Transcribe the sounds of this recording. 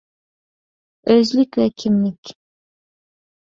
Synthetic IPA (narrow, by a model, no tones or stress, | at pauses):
øzlikʲvɛkʲʰimlʲɪkʲ